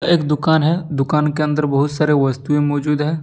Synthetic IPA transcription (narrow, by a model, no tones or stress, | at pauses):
eːkd̪ʊkaːnɦɛd̪ʊkaːnkeɐ̃nd̪əɾbɐɦʊt̪saːɾeʋɐst̪uẽmɔːd͡ʒuːd̪ɦɛ̃ː